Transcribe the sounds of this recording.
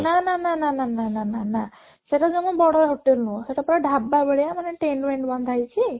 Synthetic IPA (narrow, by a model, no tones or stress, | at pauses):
nanananananananana | sɐʈad͡ʒoŋubɔɽaɦoʈːelnũsɐʈapɐɾɐɖʱabːabeɭjamɐnːeʈeːɳɖmeɳʈbɐnd̪ʱajt͡ʃʰi